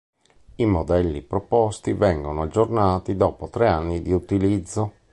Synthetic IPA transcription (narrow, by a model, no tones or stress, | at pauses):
imod̪ɛlːipɾɔpɔst̪ivɛŋɡonoad͡ʒːornaːt̪id̪ɔːpot̪ɾeanːid̪iut̪ilid̪zːo